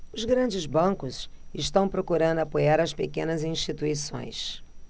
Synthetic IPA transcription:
ʊzɡɾɐ̃d͡ʒɪzbɐ̃kʊzɪʃt̪ɐ̃w̃pɾokuɾɐ̃nd̪ʊapojaɾɐspekẽnɐzĩʃt͡ʃit̪uisõ̰j̃s

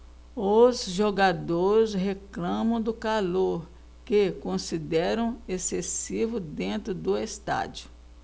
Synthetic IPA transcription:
ʊzʒoɡad̪oɾɪsɦeklɐ̃mɐ̃w̃d̪ʊkaloɾ | kekõsid̪ɛɾɐ̃w̃esesivʊd̪ẽnt̪ɾʊd̪ʊest̪a̰d͡ʒʊ

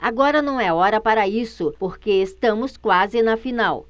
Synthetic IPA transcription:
aɡɔɾɐnɐ̃w̃ɛɔɾɐpaɾɐisʊpoɾkeest̪ɐ̃mʊskwazɪnɐfinaw

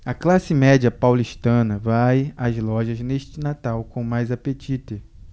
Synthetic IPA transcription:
ɐklasɪmɛd͡ʒiɐpawliʃt̪ɐ̃nɐvajazlɔʒɐzneʃt͡ʃɪnat̪awkõw̃majzapet͡ʃit̪e

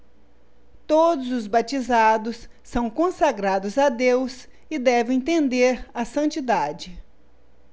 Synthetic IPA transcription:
t̪od̪ʊzʊzbat͡ʃizad̪ʊsː | ɐ̃w̃kõsaɡɾad̪ʊzad̪ews | ɪd̪ɛvẽẽt̪ẽnd̪eɾɐsɐ̃nt͡ʃid̪ad͡ʒɪ

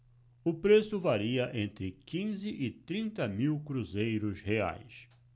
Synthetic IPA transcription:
ʊpɾesʊvaɾiɐʔẽnt̪ɾɪkĩzɪʔɪt̪ɾĩnt̪ɐmiwkɾuzejɾʊshea̰js

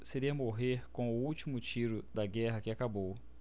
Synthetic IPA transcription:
seɾiɐmoɦeɾkõw̃ʊuwt͡ʃimʊt͡ʃiɾʊd̪ɐɡɛɦɐkɪakabow

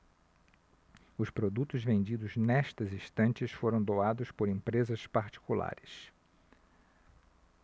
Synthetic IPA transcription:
ʊspɾod̪ut̪ʊzvẽnd͡ʒid̪ʊznɛʃt̪ɐzĩst̪ɐ̃nt͡ʃɪsfoɾɐ̃w̃d̪oad̪ʊspoɾĩmpɾezɐspaɾt͡ʃi̥kula̰ɾɪs

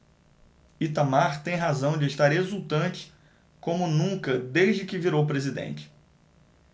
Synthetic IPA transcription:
it̪amaɾt̪ẽj̃ɦazɐ̃w̃d͡ʒɪeʃt̪aɾezut̪ɐ̃nt͡ʃɪ̥ | kõmʊnũŋkɐd̪ejʒd͡ʒɪkɪviɾowpɾezid̪ḛ̃nt͡ʃɪ̥

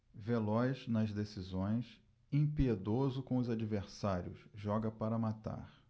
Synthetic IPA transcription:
velɔjznɐzd̪esizõj̃s | ẽpied̪ozʊkõʊzad͡ʒiveɾsaɾjʊ̰sʒɔɡɐpaɾɐmat̪a̰χ

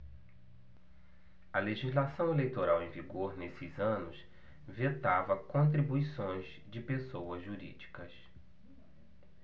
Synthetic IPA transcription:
ɐleʒizlasɐ̃w̃elejt̪oɾawẽj̃viɡoɾnesɪzɐ̃nʊs | vet̪avɐkõnt̪̬ɾibuisõj̃z | d͡ʒɪpesowɐzʒuɾḭd͡ʒikɐs

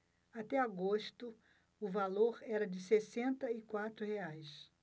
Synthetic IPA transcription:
at̪ɛaɡoʃt̪ʊ | ʊvaloɾɛɾɐd͡ʒɪsesẽnt̪ɐɪkwat̪ɾʊheajs

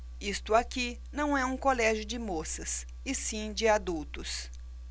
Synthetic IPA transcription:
ist̪ʊaki | nɐ̃w̃ɛũkolɛʒjʊd͡ʒɪmosɐs | ɪsĩd͡ʒɪad̪uwt̪ʊs

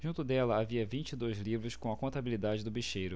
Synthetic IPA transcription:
ʒũnt̪ʊd̪ɛlɐaviɐvĩnt͡ʃid̪ojzlivɾʊskõw̃ɐkõnt̪abilid̪ad͡ʒɪd̪ʊbiʃejɾʊ

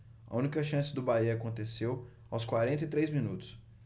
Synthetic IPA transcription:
ɐ̰ũnikɐʃɐ̃sɪd̪ʊbaiɐaːkõnt̪esew | awskwaɾẽnt̪it̪ɾejzmĩnut̪ʊ̥s

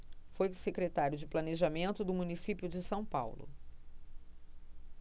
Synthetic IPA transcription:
fojsekɾet̪aɾjʊd͡ʒɪplɐneʒamẽnt̪ʊd̪ʊmunisipjʊd͡ʒɪsɐ̃w̃pa̰wlʊ̰

